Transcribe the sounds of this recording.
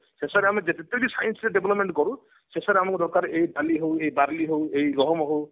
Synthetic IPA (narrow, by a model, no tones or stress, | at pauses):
sesaɾeamed͡ʒet̪et̪ebdisajɔnsɾeɖebʱlɔpmeɳʈkɔɾu | sesaɾeamɔŋkd̪ɔɾkaɾʔejdaliɦowejbaɾliɦowejɡɔɦɔmɔɦow